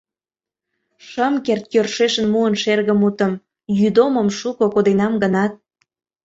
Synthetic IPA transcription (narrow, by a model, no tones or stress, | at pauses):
ʃəmkert̪̚jørʃeʃənmuənʃerɣəmut̪ə̆m | jyd̪oməmʃukokod̪enɑmɡənɑt̪̚